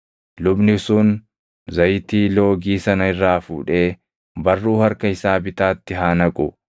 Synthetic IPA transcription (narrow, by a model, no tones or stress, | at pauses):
lʊbnɪsʊn | zɐjt̪iːlo̞ːɡiːsɐnɐɪrːaːfṵːᶑe̞ː | bɐrːuːhɐɾkɐɪsaːbɪt̪aːt̪ːɪɦaːnɐkʼʊ